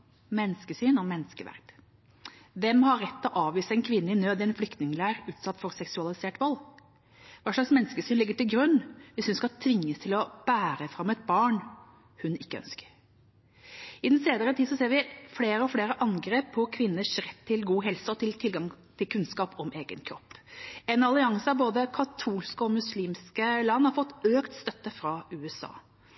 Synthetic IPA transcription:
mɛnːskəsyːnɔmɛnːskəʋæ̰ɾt̪ | ʋɛmhɑɾːɛt̪ːɔʔɑːʋʋiːsəɛnkʰʋɪnːəɪnøːd̪ɪɛnflʏkt̪nɪŋlæːɾʉːt̪sɑt̪ːfɔɾsɛksʉɑlɪseːʈʋɔlː | ʋɑːʂlɭɑksmɛnskəsyːnlɪɡːəʈɪlɡɾʉnːʋɪshʉnskɑt̪ʰʋɪŋːəst̪ʰɪlɔb̥æːɾəfɾɑmːɛt̪̚bɑːɳ | hʉnɪkːəœ̰nskə̥ɾ | ɪd̪ɛnseːd̪əɾət̪ʰiːd̪sɔseːɾʋɪfleːɾəɔfleːɾəʔɑŋɡɾeːpʰːɔkʰʋɪnːəʂɾɛt̪ʰːɪlɡuːɦɛlsəɔt̪ʰɪlt̪ʰɪlɡɑŋt̪ʰɪlkʰʉnskɑːpɔmeːɡənkʰɾɔ̰pːɛnɑlɪɑŋsəɑʋboːd̪əkʰɑt̪ʰuːlskəɔmʉsliːmskəlɑnːhɑɾfɔt̪ːøːkt̪st̪œt̪ːəfɾɑʉːɛsɑ̰ː

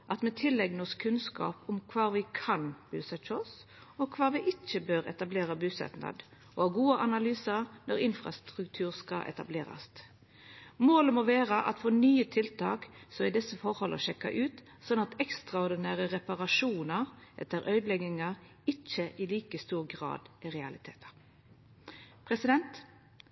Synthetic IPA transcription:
ʔɑt̪mɛt̪ʰɪlːɛɡnəɔskʰʉnskɑ̰ːpʊmkʰʋɑːʋɪkʰɑnb̥ʉːsɛt͡ʃɔs | ɔkʰʋɑːʋɪʔɪt͡ʃːəbøːɾɛ̰t̪ɑbleːɾɑbʉːsɛ̰t̪nɑ̰d̪ | ʔɔɑɡuːəʔɑnɑlyːsɑɾnɔɾɪnfʁɑ̰st̪ʁʉkt̪ʰʉːʁskɑ̰ʔɛ̰t̪ɑ̰bleːɾɑ̰st̪ | moːləmɔʋeːɾəʔɑ̰t̪fɔnyːət̪ʰɪlt̪ʰɑ̰ːksɔɪd̪ɛsːəfɔɾhɔlʔə̰ʃɛkːɑ̰ʔʉːt̪ | sɔnɑt̪ɛkst̪ʁɑɔɾd̪ɪnæːʁəʁɛpɑʁɑʂuːnəʁʔɛ̰t̪ːəɾʔœʏd̪lɛɡɪŋɑʁ | ɪt͡ʃːəʔɪliːkəst̪uːʁɡʁɑ̰ːd̪ʔɪʁɛɑlɪt̪ʰeːt̪ʰə̥ | pʰɾɛsɪd̪ɛnt̪

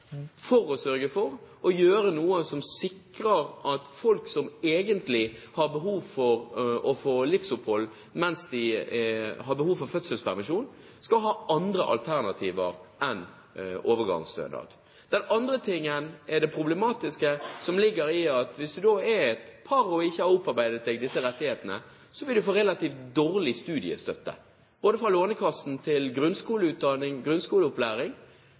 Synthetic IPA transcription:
fɔɾɔsœɾɡəfɔɾ | ɔjøːɾənuːəsɔmsɪkɾəɾʔɑt̪fɔlksɔmeːɡənt̪lɪhɑɾbəɦuːʋfɔɾɔfoːlɪfsʊphɔlː | mɛnsd̪ɪɛhɑbəhuːʋfɔɾfœt̪səlspʰæɾmɪʃuːn | skɑlɦɑːʔɑnd̪ɾəʔɑ̰lt̪ʰæʁnɑt̪ʰiːʋəɾɛn | oːʋəɡɑ̰ŋst̪œ̰ːnɑ̰d̪ | d̪̥ɛnɑnd̪ʁət̪ʰɪŋːənɛɖ̪ɛpʰʁʊblɛmɑːt̪ɪskəsɔmlɪɡːəɾɪɑt̪ʋɪsd̪ʉd̪oːɛɛt̪pʰɑʁɔɪçːəhɑɾʊpːɑɾbæɪd̪ət̪̚d̪ɛːɡd̪ɪsːəɾɛt̪ːɪheːt̪ənə̰ | sɔʋɪld̪ʉfoːʁɛlɑt̪iːft̪̚d̪oːɾlɪst̪ʉːd̪ɪə̰st̪œt̪ːə̰ | b̥oːd̪əfʁɔloːnəkʰɑsn̩t̪ʰɪlɡɾʉnskuːləʉːt̪̚d̪ɑnɪŋɡʁʉnskuːləʊplæːɾɪŋ

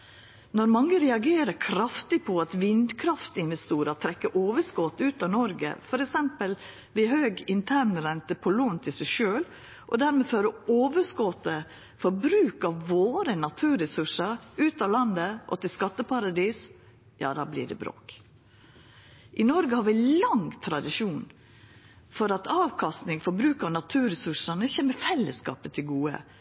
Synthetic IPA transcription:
nɔɾmɑŋːəɾɛɑɡeːɾəkʰɾɑft̪ɪpʰɔɑt̪ʋɪnd̪kʰɾɑft̪ɪnʋɛst̪uːɾət̪ʰɾɛkːəʔoːʋəskɔt̪ːʉːt̪ɑʋnɔɾɡə̰fɔɾɛksɛmpəl | ʋɪhøːɡɪnt̪ʰænəɾɛnt̪əpʰɔluːnt̪ʰɪlsɛʃøːl | ʔɔ̰d̪æɾmeːføːɾəoːʋəskɔt̪ə | fɔɾbɾʉːkɑʋʋoːɾənɑt̪ʰʉːɾɛsʉʂəɾʉːt̪ɑːlɑnd̪əʔɔ̰t̪ɪlskɑt̪ːəpʰɑɾɑd̪iːs | jɑ̰ːd̪ɑːblḭːɖɛ̰bɾo̰ːk | ʔɪnɔɾɡəhɑːɾʋɪlɑŋt̪ʰɾɑd̪ɪʂuːn | fɔɾɑt̪ɑːʋkʰɑst̪nɪŋfɔɾbɾʉːkɑʋnɑt̪ʰʉːɾɛsʉʂənəçeməfɛlːəskɑ̰ːpət̪ʰɪlɡuːə̰

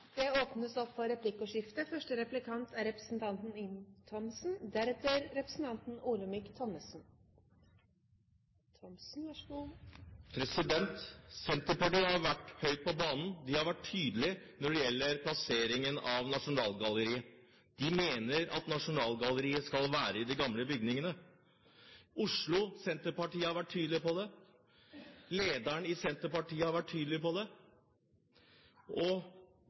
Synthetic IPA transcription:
d̪̥ɛoːpnəsɔpfɔɾɛpʰlɪkɔʂɪft̪əfœʂʈəɾɛplɪkʰɑnt̪ʰæɾɛpɾəsn̩t̪ʰɑnt̪n̩ɪnt̪ʰɔmsn̩d̪æɾɛt̪əɾɾɛpɾəsn̩t̪ʰɑnt̪n̩uːləmɪkt̪ʰɔmːəsn | t̪ʰɔmsn̩ | pʰɾɛsɪd̪ɛnt̪sɛnt̪əɾpɑʈiːhɑɾʋæʈhœʏt̪̚pʰɔbɑːnn̩d̪ɪhɑɾʋæʈʰːyːd̪əlɪnɔɖɛjɛlːəɾpʰlɑseːɾɪŋənɑʋnɑʂʊnɑːlɡɑlːəɾiːə | d̪̥ɪmeːnəɾɑ̰t̪nɑʂʊnɑːlɡɑləɾiːəskɑlʋæːɾəɪd̪ɪɡɑmləbʏɡ̚nɪŋənə | ʔʊʂɭʊsɛnt̪əɾpɑʈiːəhɑɾʋæʈʰːyːd̪əlɪpɔd̪ɛ | leːd̪æɳɪsɛnt̪əɾpɑʈiːəhɑɾʋæʈʰːyːd̪lɪpɔd̪ɛ | ʔɔ

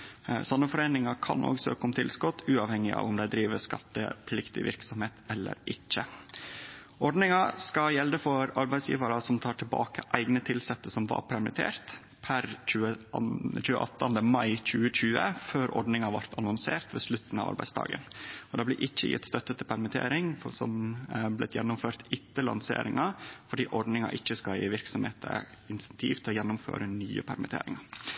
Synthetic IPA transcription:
sɔnːəfɔɾeːnɪŋɑkʰɑ̰nʔo̰ːɡsø̰ːkəɔmt̪ʰɪlskʊt̪ːʉːɑʋhɛŋɪʔɑ̰ːʋɔmd̪æɪd̪ɾiːʋəskɑt̪ːə̰pʰlɪkt̪ɪ̰ʋɪ̰ɾksɔmheːt̪ɛlːə̰ɾʔɪçːə | ɔɖnɪŋɑskɑjɛld̪əfɔɾɑɾbæɪsjḭːʋɑɾɑsɔmt̪ʰɑːʈʰɪlbɑ̰ːkəʔæɪɡnət̪ʰɪlsɛt̪ːəsɔmʋɑ̰ɾpʰæɾmɪt̪ʰḛːɾt̪ | pʰæɾc͡çʉːət͡ʃʉːəʔɑ̰t̪ːɑnd̪əmɑɪc͡çʉːəc͡çʉːəføːɾɔ̰ɖnɪŋɑʋɑɾt̪ʰɑnɔnseːɾt̪ʋeːslʉt̪ːn̩ɑ̰ːʋɑ̰ɾbæɪdsd̪ʰɑ̰ːɡə̰nɔd̪ɑːblɪ̰ːʔɪçːəjɪ̰t̪ːst̪œt̪ːət̪ʰɪlpʰæɾmɪt̪ʰḛːɾɪŋsɔmblɪ̰t̪jɛnːʊmføːɾt̪ɪt̪ːəlɑ̰nsḛːɾɪŋɑfɔɖiːʔɔɖnɪŋɑ̰ʔɪçːəskɑjḭʋɪɾksɔmhḛːt̪ʰɪnsɛnt̪ʰḭːft̪ʰɪlɔjɛnːʊmfø̰ːɾənyːəpʰæɾmɪt̪ʰḛːɾɪ̰ŋɑ

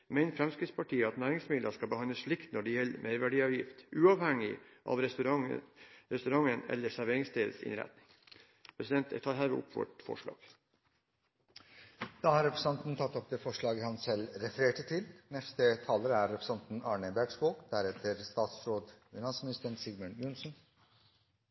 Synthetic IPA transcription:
mæɪnəfɾɛmskɾɪt̪spɑʈiːəɑt̪næːɾɪŋsmɪd̪əʂkɑbəhɑnəsʂɭɪkt̪nɔɖɪjɛlːmʔeɾʋæɖiːɑʋjɪ̰ft̪ʔʉːɑʋhɛŋɪʔɑ̰ʋɾ | ɾɛst̪ʉɾɑŋənɛ̰lːəsæɾʋeːɾɪŋst̪ʰeːʋə̰sɪ̰nɾæ̰t̪nɪŋ | pʰɾɛsɪd̪ɛnt̪ɛ̰t̪ʰɑːɾhɦæːʋə̰ʊ̰pʰːʋɔ̰ʈfɔ̰ʂɭɑ̰ːɡ̥ | d̪̥ɑːhɑɾɛpɾəsɑnt̪n̩t̪ʰɑt̪ːɔp̚d̪eːfɔʂɭɑːɡəhɑnsɛlɾɛfəɾeːʈət̪ʰɪlnɛst̪ət̪ʰɑːləɾəæɾːɛpʰɾəsɑnt̪n̩ɑːɳəbæʈsboːkd̪̥æɾɛt̪ʰəɾst̪ɑːt̪sɾoːd̪fʏnɑnsmɪnɪst̪əɳsɪɡməɳjʊnsn̩

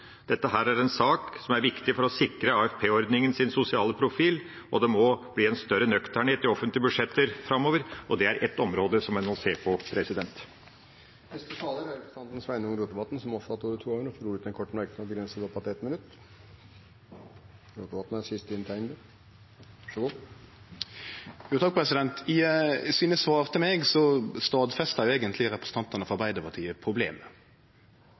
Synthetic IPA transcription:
d̪̥ɛt̪ːəɦæːɾæɾɛnsɑːksɔmæɾʋɪkt̪ɪfɔɾɔsɪkɾəɑːɛfpʰeːɔɾd̪nɪŋənsɪnsʊsɪɑːləpʰɾʊfiːl | ɔd̪ɛmɔb̥liːɛnst̪œɾːənœkt̪ʰæɳeːt̪ɪɔfənt̪lɪəbʉʂɛt̪ːəɾfɾɑmːoːʋəɾɔd̪ɛæɾʔɛ̰t̪ːɔmɾoːd̪əsɔmɛnmɔseːpʰɔpʰɾɛsɪd̪ɛnt̪ | nɛst̪ət̪ʰɑːləɾæɾpɾɔst̪ɑnt̪n̩sʋæɪnʊŋɾuːt̪əʋɑt̪n̩sɔmɔpsɑt̪ːoːɾət̪ʰuːoːɾənɔfɔɾuːɾʉt̪d̪ɛnkʰɔʈːmæɾk̪ənɔbəɡɾɛnsəd̪ɑpʰɑt̪ɛt̪mɪnʉt̪ː | ɾuːt̪əʋɑt̪n̩æsɪst̪əɪnt̪ʰæɪnd̪ə | ɑʂɔɡuː | juːt̪ʰɑk̚ːpʁɛsɪd̪ɛnt̪ʰɪsiːnəsʋɑːʁt̪ʰɪlmɛɡsɔst̪ɑːd̪fɛst̪ɑɾjʊeːɡənt̪lɪʁɛpɾɛsə̥n̩t̪ʰɑnt̪ɑnəfɔɾbæɪd̪əpʰɑʈ̪ʰiːəpʰɾʊbleːmə

